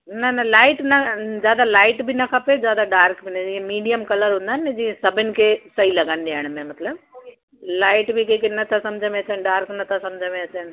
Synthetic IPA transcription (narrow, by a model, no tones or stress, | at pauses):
nɐnɐlaːɪʈnɐzjaːd̪alaːɪʈbʱinɐkʰɐpezjaːd̪aɖaːɾkbʱinɐd͡ʒiẽmiːɖijəmkɐləɾɦũːnd̪aːned͡ʒiːẽsɐbʱɪnɪ̆kʰesɐilɐɡənd̪eaːɽ̃mẽmɐt̪ləb | laːɪʈbʱikekenːɐt̪ʰːasɐmd͡ʒʱəmẽɐt͡ʃənɖaːɾknɐt̪ʰasɐmd͡ʒʱəmẽɐt͡ʃənɪ